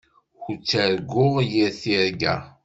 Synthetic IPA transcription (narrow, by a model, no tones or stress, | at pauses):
xut͡sːəɾɡʊʁjiɾθiɾɡæ̰